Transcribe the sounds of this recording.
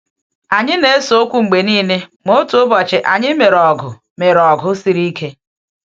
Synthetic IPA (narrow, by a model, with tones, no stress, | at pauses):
a˨ɲɪ˦ne˦e˦so˨o˦kʷu˦ŋ͡m̩˨ɡ͡be˨niː˦ne˦mo˦tu˨˦ʊ˦bɔ˨t͡ʃɪ˨ʔa˨ɲɪ˦me˨ɾɔ˨ɡʊ˨ | me˨ɾɔ˨ɡʊ˦si˦ɾi˦kʰe˦